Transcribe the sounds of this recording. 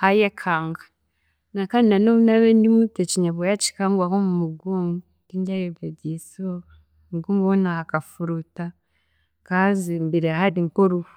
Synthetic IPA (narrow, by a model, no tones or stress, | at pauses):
hajekʰaŋɡa | nakananounaβendimutet͡ʃiɲaβojat͡ʃi̥kaŋɡwakomumuɡoŋu | kiɲɟajebediso | ŋɡumβonaakafuɾuta | kazimbiɾehadiŋkoɾufu